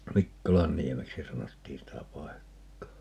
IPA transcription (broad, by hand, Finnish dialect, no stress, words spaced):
mikːolɑnːiemeksi sɑnotːiːn sitæ pɑekːɑː